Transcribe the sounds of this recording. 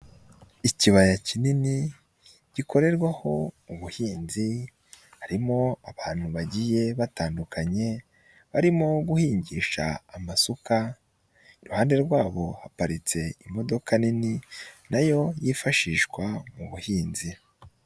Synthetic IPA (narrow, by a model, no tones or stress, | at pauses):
iciβajacinini | ɟ̥ikʰo̞ɾe̞ɾɡwaho̞uβuhiːnzi | haɾimo̞aβaːn̥huβaɟije̞βataːndukaɲe̞ | βaɾimo̞ɡuhiːɲɟiʃa̰ːmasuka | iɾuhaːnde̞ɾɡwaːβo̞hapaɾit͡se̞imo̞do̞kanininajo̞jiːfaʃiːʃɡwamuβuhiːnzi